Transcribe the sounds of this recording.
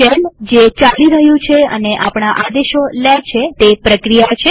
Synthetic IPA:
ɛnd͡ʒet͡ʃaliɾəɦjũt͡ʃʰeə̰neʔapɳ̃aʔad̪eʃolɛt͡ʃʰet̪epɾəkɾijat͡ʃʰe

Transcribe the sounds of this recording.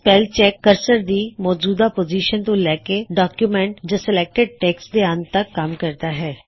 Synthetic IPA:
pɛːlt͡ʃɛːkːəɾsəɾd̪imɔːd͡ʒuːd̪apoːd͡ʒiːʃənt̪ũlɛːkeɖaːkjumɛ̃ɳʈd͡ʒəsɪlɛːk̚ʈɪɖ̚ʈɛːksd̪eãnt̪ɐkkːamkɐɾt̪aɦɛː

